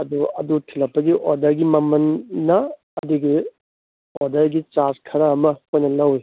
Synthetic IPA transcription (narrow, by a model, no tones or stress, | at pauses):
ɐduɐ̰dutʰilɐpːɐɡiʔoɾdɐɾɡimɐmɐnːɐː | duɡi | oɾdɐɾɡit͡ʃaskʰɐɾaːmɐkʰojnɐlɐwi